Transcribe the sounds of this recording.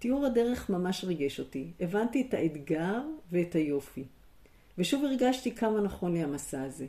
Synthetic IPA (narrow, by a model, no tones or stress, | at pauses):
t̪iuʁhade̞ʁe̞χmamaʃʁiɡeʃo̞tiʔevantietaʔet̪ɡaʁveːthajo̞fi | ve̞ʃuviʁɡaʃtikʰamanaχo̞nleamasaːze̞